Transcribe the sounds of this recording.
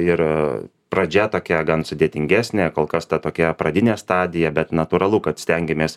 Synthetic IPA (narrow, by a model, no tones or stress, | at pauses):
ɪɾ | pɾɐd͡ʒʲɛt̪oːkʲɛɡɐnsʊd̪ʲeːt̪ʲɪŋʲɡʲæːsʲnʲeːkoːlˠkɐst̪ɐt̪oːkʲɛpɾɐd̪ʲɪnʲeːst̪ɑːd̪ʲɪjɛbʲɛt̪nɐt̪uːɾɐlˠʊkɐt̪sʲt̪ʲɛŋʲɡʲɪmʲeːs